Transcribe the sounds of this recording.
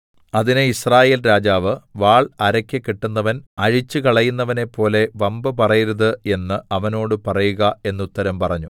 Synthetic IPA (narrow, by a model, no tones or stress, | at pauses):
ɐðinɨisraːje̞ːlɾaːd͡ʑaːʋɨʋaːɭɐɾɐkʲːɨkːiʈːunːɐʋɐnɐɻit͡ɕːɨkɐɭɐjunːɐʋɐne̞pːo̞ːle̞ʋɐmbɨpɐrɐjiɾɐðɨe̞nːɨɐʋɐno̞ːɽɨpɐrɐjuɣɐe̞nːut̪ːɐɾɐmpɐrɐɲːu